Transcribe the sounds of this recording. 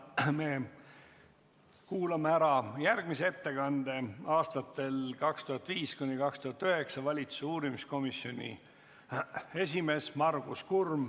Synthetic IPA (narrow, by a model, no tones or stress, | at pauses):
me̞ | kuːlɑmeæɾɑjærɡ̥misee̞t̪ːe̞kɑnd̪e̞ɑːst̪ɑt̪ːˑe̞lkɑkst̪uɦɑt̪ːˑviːskunʲːikɑkst̪uhɑt̪ːˑøhe̞ksɑvɑlʲit̪su̥suːɾimisko̞misjo̞nʲḭ | e̞s̬ʲime̞smɑrɡ̥uskurm